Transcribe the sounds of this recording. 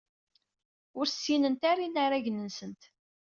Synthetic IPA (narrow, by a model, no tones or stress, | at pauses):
ʊɾsːinənt̪aɾinaɾaʝənənsənt̪